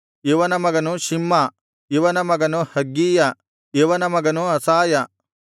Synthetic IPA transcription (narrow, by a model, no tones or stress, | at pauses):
eʋɐnɐmɐɡɐnuʃimːɐ | iʋɐnɐmɐɡɐnuhɐɡːiːjɐ | eʋɐnɐmɐɡɐnuɐsaːjɐ